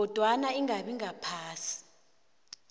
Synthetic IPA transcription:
ɔd̥ʱwanaiŋaɓiŋapʰaːsi̥

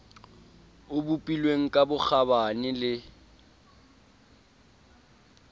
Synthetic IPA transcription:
ʊbupʼilweŋ̩kʼabʊk͡xʰabanɪlɪ

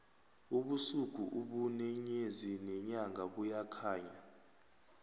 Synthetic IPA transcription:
uɓusuɡ̥ʱṵʔuɓunɛɲezinɛɲaŋɡʱaɓujakʰaːɲa

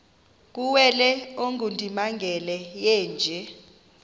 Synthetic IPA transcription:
k̬uwɛlɛoŋʱundʱʼimaŋɡʱɛlɛjɛːnd͡ʒʱɛ

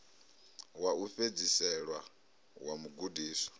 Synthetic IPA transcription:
wauɸed͡zisɛɺwa | wamuɡudiːsɔ̥

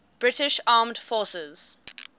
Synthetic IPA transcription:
b̥ɹɪtɪʃɑːmd̥fɔsəz̥

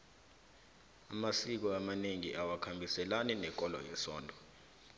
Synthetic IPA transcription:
amasik̬ɔamaneŋiʔawakʰambʱisɛlanɛnɛk̬ʼɔlɔ̰jɛsɔ̰ːndʱɔ

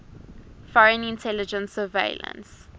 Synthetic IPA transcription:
fɔɹə̃nĩntʰɛlɪd͡ʒə̃nsəvḛɪlə̰̃ns

